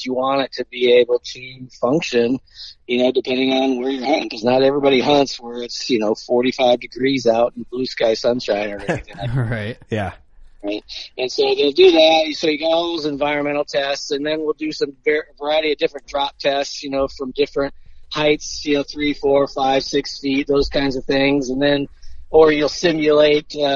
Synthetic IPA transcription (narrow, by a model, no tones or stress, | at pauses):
ɨwɑ̃nɨtʰɨbieɪbl̩ˠtʰɨfʌ̃ŋkʃɨ̃njɨnoʊdɨpʰɛ̃ndɪ̃ŋə̃nwə˞jə˞hʌ̃nɪ̰̃ŋkʰʌznəɾɛvɹibɑɾihʌ̃ntswə˞ɪtsjɨnoʊfɔɹɾifaɪvdɨɡɹizaʊɾn̩blʉskaɪsʌ̃nʃãɪ̃nə˞ɛniθɪ̃ŋɹaɪtjæ | ɹaɪt̚ɨ̃nsoʊðeɪlˠdɨðæt̚soʊjɨɡaðoʊzɨ̃ɱvaɪɹɨ̃nmɛ̃ɾ̃l̩ˠtʰɛstsɨ̃nðɨ̃nwilˠdɨsʌ̃mvɛvə˞aɪɨɾiɨdɪfɹɨ̃ndɹɑp̚tʰɛstsjɨnoʊfɹʌ̃mdɪfɹɨ̃nt̚haɪtsjɨnoʊθɹifɔɹfaɪv̥sɪksfit̪̚ðoʊz̥kʰãɪ̃ndzʌv̥θɪ̃ŋzɨ̃nðɨ̃nə˞jɨlˠsɪ̃mjɨleɪt̚ʌ